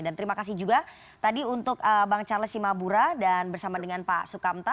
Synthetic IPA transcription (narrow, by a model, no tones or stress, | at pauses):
dant̪əɾimakas̬ɪhd͡ʒuɡa | t̪adiunt̪ʊkəbaŋt͡ʃalasimabuɾadanbərsamadəŋanpa̰sukamt̪a